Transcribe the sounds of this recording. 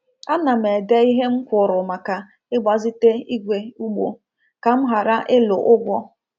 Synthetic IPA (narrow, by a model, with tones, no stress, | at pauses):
a˦na˨m˨e˨de˦i˦ɦe˦ŋ͡m̩˦kʷʊ˨ɾʊ˨ma˨ka˨ | ɪ˦ɡ͡ba˨zi˦te˦i˦ɡʷe˨u˦ɡ͡bo̰˨ | ka˨m̩˦ɦa˨ɾa˦ʔɪ˦lʊ˨ʔʊ˦ɡʷɔ˦